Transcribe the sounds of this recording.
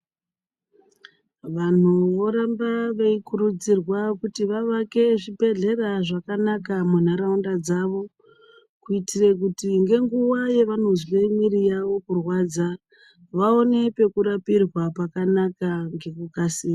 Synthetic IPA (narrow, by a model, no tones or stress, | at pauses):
ʋan̤uʋo̞ɾambaʋeikuɾud͡zirwakutiʋaʋake̞ʐibʱe̞ɮe̞raʐakanakamun̤aɾaundad͡zaʋo̞ | kuitirek̬utiŋɡe̞ŋɡuwaje̞ʋano̞zilemwirijaʋo̞kurwad͡za | ʋao̞ne̞pe̞kuɾapirwapakanakaŋɡe̞kukasiːma